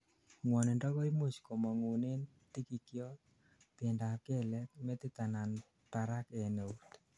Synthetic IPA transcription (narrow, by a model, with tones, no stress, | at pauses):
ŋwɔ˨ne˨ndɔ˦ko˦jmu˦t͡ʃko˨mɔ˨ŋu˨ne˦n | ti˦ki˨kjɔ˦t̚ | pe˨nda˨ke˦lɛk̚me˦t̪e˦t̪a˨nan | taɾakɛ˨ne˨ut̪